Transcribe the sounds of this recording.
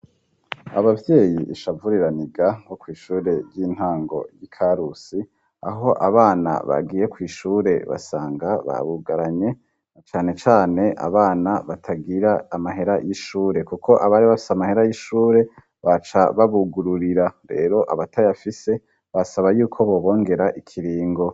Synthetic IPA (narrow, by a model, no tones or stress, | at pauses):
a̰βavje̞ːjiʔiʃavuɾiɾaniɡahokwiːʃuːɾe̞ɾjiːn̥haːŋɡo̞̰jikʰaɾusi | a̰ɦo̞ʔaβaːna̰βa̰ɡiːje̞kwiːʃuːɾe̞βa̰saːŋɡaβa̰βuɡaɾaɲe̞ | t͡ʃaːne̞t͡ʃaːne̞ʔa̰βaːnaβatʰaɡiɾaːmaɦe̞ɾajiʃuːɾe̞kukʰo̞ʔaβaːɾiβafi̥samahe̞ɾajiʃuːɾe̞ | βat͡ʃaβaβuɡuɾuɾiɾaɾe̞̰ːɾo̞ʔaβatajafise̞ | βasaβajuːkʰo̞βo̞ːβo̞ːŋɡe̞ɾaʔikʰiɾiːŋɡo̞